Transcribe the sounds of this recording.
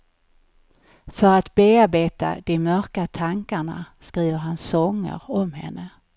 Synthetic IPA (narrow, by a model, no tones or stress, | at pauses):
fœɾat̪beːaɾbeːt̪a̰d̪̥ɛmœɾkat̪ʰaŋkaɳa̰skɾiːvəɾɦansɔŋːə̰ɾɔmɦɛ̰nːə